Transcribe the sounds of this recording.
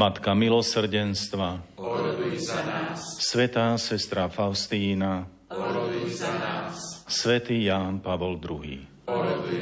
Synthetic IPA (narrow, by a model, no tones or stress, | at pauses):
mat̪kamilɔsr̩ɟɛnst̪ʋa | sʋɛt̪aːsɛst̪ɾafaʊst̪iːna | sʋɛt̪iːjaːnpaʋɔld̪ɾuɦḭː